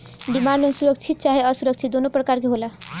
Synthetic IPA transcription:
ɖimaɳɖʌnsuɾʌk̚t͡ʃʰit̪̚t͡saɦeʌsuɾʌk̚t͡sʰit̪̚d̪onoprʌkaɾkiɦola

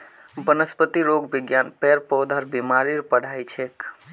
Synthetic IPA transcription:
bənəspət̪iɾoɡbiɡjanpɛɾpɔd̪ʱəɾbimaɾiɾpəɽ̤ʱajt͡ʃʰek

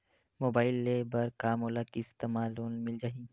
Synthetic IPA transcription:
moːbaːɪlːebɐɾkaːmoːlakiɪst̪eːmaːloːnmɪld͡ʒaːɦĩ

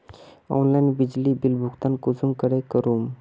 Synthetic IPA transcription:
ɔ̰nlajnbid͡ʑlibilbʱuɡt̪ankusuŋkəɾekəɾum

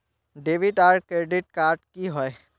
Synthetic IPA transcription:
ɖeːʋiʈaːɾɖkɾeɖɪʈ̚kaːɾʈkiɦɔe

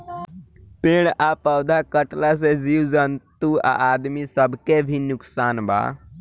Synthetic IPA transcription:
peɽapəwd̪ʱakəʈlas̬ed͡ʒiwd͡ʒənt̪ua̰ʔad̪misəbʱkebʱinʊksaːnba̰

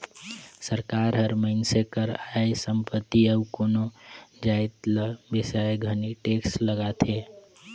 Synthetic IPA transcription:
səɾkaɾɦəɾməɪnsekəɾaesəmpət̪ːiəukonod͡ʒaet̪ləbisaeɡʱəniʈeksləɡat̪ʰe

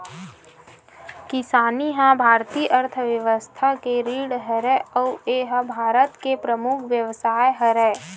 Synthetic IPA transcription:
kɪsaːniɦãbʱaːɾt̪iːʔəɾt̪ʰəʋjəʋəst̪ʰakeɾiːɽɦəɾɛɔːeɦəbʱaːɾət̪kepɾəmʊkʰʋjəʋsaːjɦəɾɛː

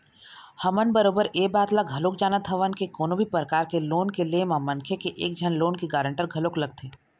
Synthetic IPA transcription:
hɐmənbəɾoːbəɾeːbaːt̪laɡʱɐloːk̚d͡ʒaːnat̪ʰɐʋənkekoːnõbʱipɾəkaːɾkeloːnkelemãmɐnkʰekeʔḛːk̚d͡ʒʱɐnloːnkiɡaːɾə̃ɳʈəɾɡʱɐloːklɐɡ̚t̪ʰeː

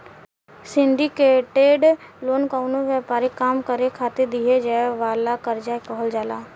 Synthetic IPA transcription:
sɪ̃ɳɖikeːʈeːɖloːnkaːʊnõʋjaːpaːɾikaːmkəɾekʰaːt̪ed̪iɦed͡ʒaːeʋaːlakəɾd͡ʒaːkɔɦəld͡ʒaːlaː

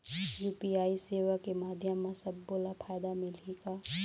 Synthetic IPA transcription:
juːpiaːiseːʋakemaːd̪ʱjəmːãsɐbːoːlapʰaːjd̪amɪlikaː

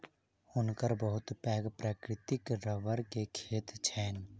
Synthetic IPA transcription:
ʊnkəɾbəɦʊt̪pɛːɡpɾaːkɾɪt̪ɪkɾəʋəɾkekʰeːt̪t͡ʃʰɛːn

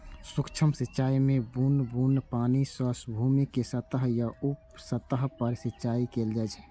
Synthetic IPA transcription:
sʊkt͡ʃʰəmsɪt͡ʃaːimẽbunbuːnpaːnisəsbʱuːmikesət̪əɦjaupsət̪əɦpəɾsit͡ʃaːikeːld͡ʒət͡ʃː

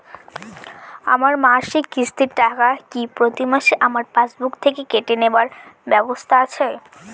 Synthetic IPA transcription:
a̰maɾmaʃikist̪iɾʈakakipɾot̪imaʃeʔamaɾpat͡ɕbukt̪ʰekekeʈenebaɾbɛbost̪ʰaat͡ɕʰe

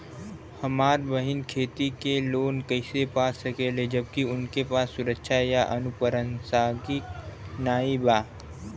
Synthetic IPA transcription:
hɐmaːɾbəɦɪnkʰeːt̪ikeloːnkəɪsepaːsɐkeːled͡ʒɐb̚kiʊnkepaːsːʊɾəkʃʰajaʔɐnʊpəɾənsaːɡik | naːibaː

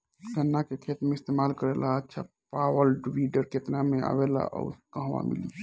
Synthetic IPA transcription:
ɡənːakekʰet̪meɪst̪emalkəɾelaətːʃʰa̰ | pawəlɖʋiɖəɾket̪namea̰ʋela̰ʔɔ̰ukə̃ɦʋa̰mḭli

